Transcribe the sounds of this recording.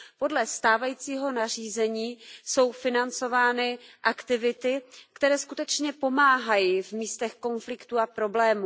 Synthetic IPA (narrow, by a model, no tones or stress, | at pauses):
po̞dlɛst̪aːvajiːt͡siːɦo̞nar̝iːzɛɲiːso̞wfɪnant͡so̞vaːnɪʔakt̪ɪvɪt̪ɪkt̪ɛɾɛːskut̪ɛt͡ʃɲɛpo̞maːɦajivmiːst̪ɛxko̞nflɪkt̪uapɾo̞blɛːmuː